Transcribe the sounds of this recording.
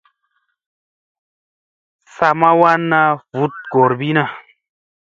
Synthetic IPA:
sa˧ma˦wa˦nːa˧vu˨˦t̪̚ɡ̥o˨ɾbi˦na˦˨

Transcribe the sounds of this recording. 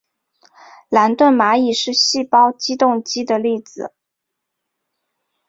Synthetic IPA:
la˧˥nt̪wə˥˩nma˧˥i˨˩ʂɻ̩˥˧ɕi˥˩pɑ˥ʊt͡ɕi˥t̪ʊ˥˧ŋt͡ɕi˥d̪ə˨li˥˩d͡zɹ̩˨˩˦

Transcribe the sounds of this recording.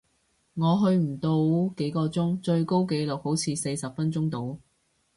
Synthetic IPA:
ŋɔː˨˧ɦɵ˧ɥm̩˨˩t̪o˧wke˨˥jkɔː˧t͡sʊ˥ŋt͡ʃɵ˧ɥko˥wke˧jlʊ˨k̚ho˨˥wt͡sʰiː˨˧se˧jsɐ˨p̚fɐ˥nt͡sʊ˥ŋt̪o˨˧w

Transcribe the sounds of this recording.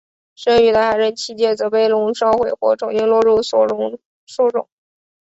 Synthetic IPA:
ʂə˥ŋy˧˥t̪a˧˥xa˨˩ɪɻə˧˥˩nt͡ɕʰi˧˥˩t͡ɕjɛ˥˩t͡sɤ˧˥pe˥˩ɪlʊ˧˥ŋʂɑ˥ʊxwe˨˩ɪxwɔ̰˥˩ʈ͡ʂʊ˨˩ŋi˥˧ŋlwɔ˥˧ɻu˥˧˥ | su˥˩ʈ͡ʂʊ̰˨˩˦ŋ

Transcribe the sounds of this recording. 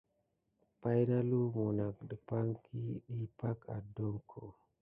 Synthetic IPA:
pa˦jna˦lu˦mu˨na˨k̚ɗə˨pa˦ŋkʰi˦ɗi˦pa˦ka̰˨do˦ŋkʰo˨

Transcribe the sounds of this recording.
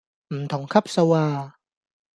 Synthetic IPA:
ʔ̩˨˩mt̪ʰɔ˨˩˦ŋkʰa˦˥˩p̚sa˧waː˧˩

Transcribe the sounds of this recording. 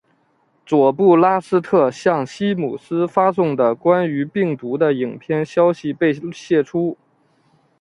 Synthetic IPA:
t͡swɔ˨˩pu˥˩la˥sɹ̩˥t̪ʰɤ˥˧˩ɕjɑ˥˩ŋɕi˥mṵ˨˩sɹ̩˥fa˥sʊ˥˩ŋd̪ə˩kwa˥ny˧˥pi˥˩ŋt̪u˧˥d̪ə˧i˨˩ŋpʰjɛ˥˧nɕjɑ˥ʊɕi˧˨pe˥˧ɪɕjɛ˥˩ʈ͡ʂʰu˥

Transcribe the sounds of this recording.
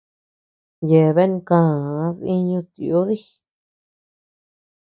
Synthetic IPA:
je˨βe˦ñ˧kãː˦˧˨ði˦ɲũ˧t̪i˨o˦ði˦

